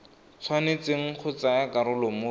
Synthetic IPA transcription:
t͡sʰwanet͡seŋ̩χʰʊt͡sajakaɾʊlʊmʊ

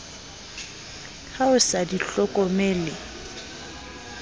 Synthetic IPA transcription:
haʊsadiɬɔkʼɔmeːlɪ

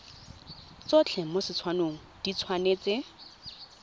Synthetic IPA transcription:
t͡sot͡ɬʰemosɪt͡sʰwanoːŋ̩d̥it͡sʰwanet͡se

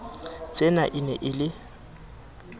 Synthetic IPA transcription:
t͡sʼenaʔɪnɛʔɪlɪ

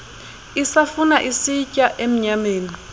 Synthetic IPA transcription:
isafunaʔisicʼaʔem̩ɲameːni

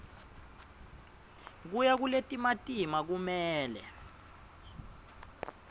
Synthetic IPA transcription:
k̬ujak̬uletʼimatʼimak̬umɛːlɛ̰

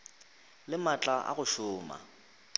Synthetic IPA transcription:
lɪmat͡ɬʼaʔa̰ɣʊʃʊːma̰

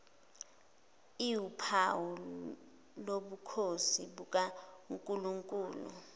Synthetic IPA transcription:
iupʰawu | loɓukʰosiɓuk̬ʼaŋkʼuluŋkʼuːlṵ

